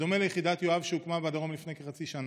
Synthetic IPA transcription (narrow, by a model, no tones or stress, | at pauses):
o̞melejeχid̪at̪joavʃeukmabead̪aʁo̞mlifnekeχat͡siʃan